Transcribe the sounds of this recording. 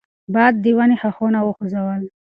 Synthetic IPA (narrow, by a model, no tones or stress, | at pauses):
bɑd̪̚ːiwanixaxonawəxozawəl